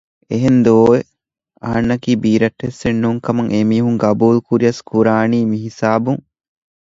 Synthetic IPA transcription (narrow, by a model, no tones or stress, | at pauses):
eɦend̪oːe | ɐ̰ɦɐnːɐkiːbiːɾɐʈːesenːuːŋkɐmɐŋʔemiːɦuŋɡɐbuːlukuɾiɐskuɾaːniːmiɦisaːbuŋ